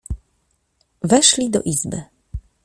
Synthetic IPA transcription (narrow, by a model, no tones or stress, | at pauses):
vɛʂlʲid̪ɔ̰ʔizbɘ